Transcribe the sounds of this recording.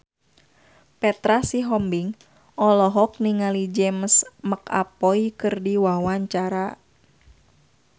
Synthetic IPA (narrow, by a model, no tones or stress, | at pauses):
pɛt̪ɾasiɦɔmbiŋ | ʔɔlɔɦɔk̚niŋalid͡ʒɛmsməka̰pɔikɨrdiwawaɲt͡ʃaɾa